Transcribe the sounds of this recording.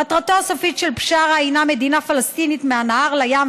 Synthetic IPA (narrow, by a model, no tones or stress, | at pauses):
at̪ʁatoasofitʃelpʃaʁajname̞d̪inafalast̪init̪meanaaʁlajam